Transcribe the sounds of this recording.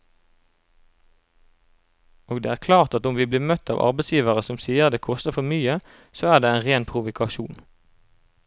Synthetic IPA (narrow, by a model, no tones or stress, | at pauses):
oːɡd̪ḛːæːʁkʰlɑːʁt̪ɑt̪ʊmʋiːbliːmœt̪ɑ̰ːʋʔɑ̰ʁbɛsjiːʋəʁəsʊmsiːəʁd̪eːkʰɔst̪əʁfɔʁmyːə | soːæːʁdeːeːnʁeːnpʰʁʊʋʊkʰɑʃuːn